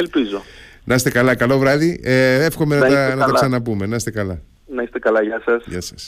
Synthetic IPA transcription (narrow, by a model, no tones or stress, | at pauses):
elpizo | nʔɐst̪e̞kɐlɐkɐlovɾɐðiee̞fxo̞menɐt̪ɐnɐt̪ɐksɐnɐpume̞nɐst̪e̞kɐlɐ | nɐist̪ekɐlɐʝɐsɐsʝɐ̰sɐ̥s